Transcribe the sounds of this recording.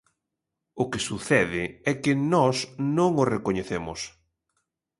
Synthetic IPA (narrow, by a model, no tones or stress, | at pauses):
ʊkɪsuθɛðɪɛkɪnɔsnõŋʊrekoɲeθemʊ̰s